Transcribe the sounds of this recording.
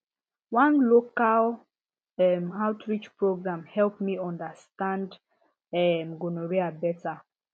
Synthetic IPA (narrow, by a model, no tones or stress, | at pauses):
wãnlokal | ɛmaʊtɹit͡ʃpɹoɡɹãmhɛlpmiɔ̃ndastãnd | ɛmɡonoɹiabɛta